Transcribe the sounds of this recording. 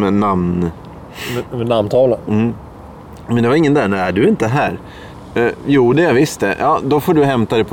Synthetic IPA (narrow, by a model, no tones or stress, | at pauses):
ɛnamn | ɛnamnt̪ʰɑːlam̩ː | mɛnd̪ɛvaɾɪŋːənd̪æːnææɖɵɪnt̪əɦæːɾ | juːd̪ɛvɪst̪̚d̪ɛjʔɑːd̪ɔfoːɖɵɦɛmt̪ad̪ɛpʰ